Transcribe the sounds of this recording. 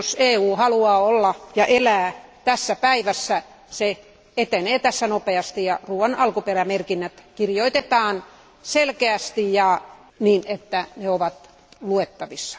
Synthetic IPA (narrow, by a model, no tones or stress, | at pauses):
oseːuːhɑluɑːolːɑjɑʔelæːt̪æsːæpæiʋæsːæ | se | et̪eneːt̪æsːænopeɑst̪ijɑruːʋɑnɑlkuperæmerkinːæt̪kirjoit̪et̪ɑːn | selkeæst̪ijjɑ | niːnet̪ːæneoʋɑt̪ | luet̪ːɑʋisːɑ̥